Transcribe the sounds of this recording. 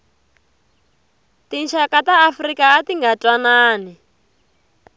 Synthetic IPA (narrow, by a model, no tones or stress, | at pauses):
tinʃakataːfrikaːtiŋɡatwanaːni